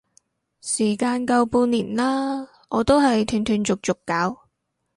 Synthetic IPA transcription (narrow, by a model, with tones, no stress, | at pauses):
siː˨˩kaː˧nkɐ˧wpuː˧niː˨˩nlaː˥ | ʔɔː˨˧t̪o˥wɦɐ˨jt̪ʰy˧nt̪ʰyː˧nt͡sʊ˨k̚t͡sʊ˨kːaː˨˥w